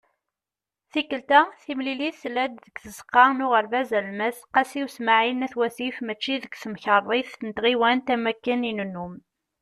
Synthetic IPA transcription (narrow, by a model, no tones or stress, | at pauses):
θikːəlt̪æθimliliθθlæd̪ðəɡθəzqːɑnʊʁəɾvæzælməθqæsiwsmaʕinæθwæθifmət͡ʃːiðəɡθəmçəɾˤðˤiθənət̪ʁiwænt̪æmækːəninənːum